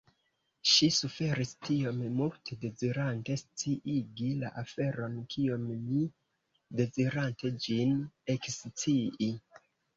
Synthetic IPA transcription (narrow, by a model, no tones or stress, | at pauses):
ʃisufe̞ɾistio̞mmultʰede̞ziɾante̞st͡siʔiɡila̰ʔafe̞ɾo̞nkʰio̞mmi | de̞ziɾante̞d͡ʒine̞kst͡siʔi